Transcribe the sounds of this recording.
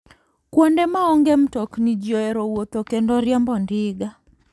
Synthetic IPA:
kwɔndɛmaɔŋɡɛm̩tɔknid͡ʒiɔɛɾɔwot̪okɛndɔɾjambɔndɪɡa

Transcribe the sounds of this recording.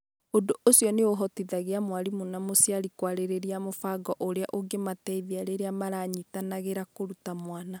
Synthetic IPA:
ondoʔosjɔneoɦɔtiðaɣeamwaɾimonamosjaɾikwaɾeɾeɾiamofaɡɔʔoɾeaʔoɡematɛiðiaɾeɾeamaɾaɲitanaɣeɾakoɾutamwana

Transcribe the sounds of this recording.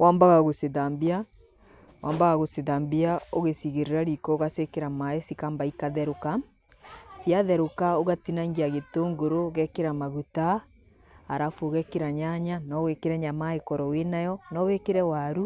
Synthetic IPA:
waːmbaɣaɣoseðambia | waːmbaɣaɣoseðaːmbiaoɣesiɣeɾeɾaɾikɔɣasekeɾamaesikambaikaðɛɾoka | siaðɛɾokaoɣatinaŋɡiaɣetoːŋɡoɾoɣɛkeɾamaɣutaː | ɾafoɣɛkeɾaɲaɲanɔwekeɾɛɲamaekɔɾɔwenajɔnɔwekeɾɛwaɾu

